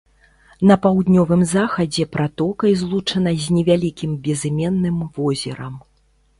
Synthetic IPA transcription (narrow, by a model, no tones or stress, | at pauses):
nɐpawd̪nʲɔvɨmzaxɐd͡zʲɛpɾat̪ɔkɐjzlˠut͡ʂɐnɐzʲnʲɛvʲalʲikʲimbʲɛzɨmʲɛnːɨmvɔzʲɛ̰ɾɐm